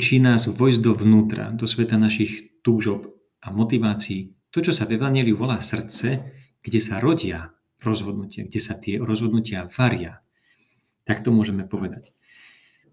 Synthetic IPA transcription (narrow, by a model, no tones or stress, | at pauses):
t͡ʃiːnaːzʋɔjzd̪ɔvnuːt̪ɾa̰d̪ɔsʋɛt̪anaʃixt̪uːʒɔp | amɔt̪iʋaːt͡siː | t̪ɔt͡ʃɔsavɛʋaɲɪɛliuʋɔlaːsr̩t͡sɛ | ɡ̥ɟɛsaɾɔɟɪa | ɾɔzɦɔd̪̚nucɪa̰ɡɟɛsat̪ɪɛɾɔzɦɔd̪nucɪavaɾɪa | t̪akt̪ɔmʊɔʒɛmɛpɔʋɛd̪ac